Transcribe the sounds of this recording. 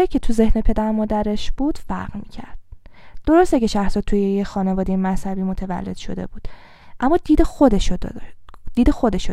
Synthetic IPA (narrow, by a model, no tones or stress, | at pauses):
icʰe̞t̪ʰuze̞hne̞pʰe̞d̪æɾmɒːd̪æɾe̞ʃb̥uːd̪̥fæ̰ɾɣmḭcʰæ̰ɾd̪̥̚ːo̞ɾo̞st̪eceʃæxsɒːt̪t̪ːʰujejexɒːne̞vɒːd̪ejemæshæbiːmo̞t̪ʰevæ̰lːe̞d̪̥ʃo̞̰d̪e̞̰buːd̪̥ | ʔæmːɒːd̪iːd̪exod̪eʃo | d̪̥iːd̪exo̞d̪e̞ʃo